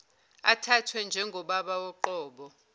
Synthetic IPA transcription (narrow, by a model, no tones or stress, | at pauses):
a̰tʰatʰwɛnd͡ʒʱɛŋɡʱɔɓaɓawɔǃɔːɓɔ